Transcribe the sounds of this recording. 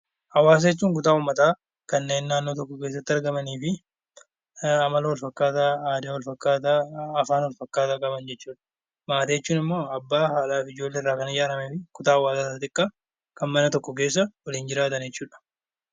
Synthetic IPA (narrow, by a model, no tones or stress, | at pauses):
hɐwaːs̬ɐɛt͡ʃːuːŋk̬ʊt̪aːuːmːɐt̪aː | kɐnːe̞ːnːaːnːo̞ːt̪̬ɔkːɔke̞ːs̬ːɐt̪ːɪɐɾɡɐmɐniːfɪ | ɐmɐlɐwɐlfɐkːaːt̪aːaːd̪ɪwɔlfɐkːaːt̪aːɐfaːnwɔlfɐkːaːt̪aːkʼɐbɐnd͡ʒɛt͡ʃːuːᶑɐ̥ | maːt̪ɐjɛt͡ʃːuːnɪmːo̞ːɐbːaːhaːlaːfɪd͡ʒo̞ːlːeɪrːaːkɐnɪjaːɾɐmɛfɪkʊt̪aːɐwaːsɐtːɐt̪ɪkʼːaː | kɐnmɐnɐt̪ɔkːɔk̬e̞ːs̬ːɐwɐliːnd͡ʒɪɾaːt̪ɐnd͡ʒɛt͡ʃːuːᶑɐ̥